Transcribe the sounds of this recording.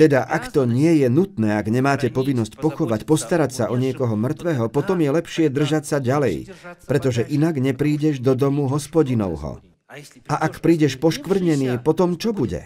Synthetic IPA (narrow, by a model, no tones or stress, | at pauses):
t̪ɛd̪aʔakt̪ɔɲɪɛjɛnut̪nɛːaɡɲɛmaːcɛpɔʋinːɔscpɔxɔʋacpɔst̪aɾacsaʔɔɲɪɛkɔɦɔmr̩t̪ʋɛɦɔpɔt̪ɔmjɛlɛpʃɪɛd̪r̩ʒacsaɟalɛ̰jpɾɛt̪ɔʒɛʔinaɡɲɛpɾiːɟɛʒd̪ɔd̪ɔmuɦɔspɔɟinɔ̰ʊɦɔ̰ | ʔaʔakpɾiːɟɛʃpɔʃkʋr̩ɲɛniːpɔt̪ɔmt͡ʃɔbuɟɛ̰